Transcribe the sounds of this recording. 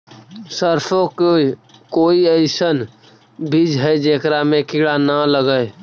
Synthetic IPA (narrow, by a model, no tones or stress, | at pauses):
səɾpʰõkokoːiəɪsən | bʱid͡ʒɦɛd͡ʒeːkɾamẽkɪɽanələɡəe